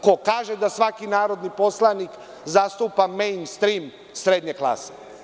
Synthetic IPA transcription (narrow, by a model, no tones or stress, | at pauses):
ko̞kaːʒed̪asʋakinaːɾo̞d̪nipo̞slˠanik | zast̪upamejnst̪ɾim | sɾed̪ɲeklˠa̰ːse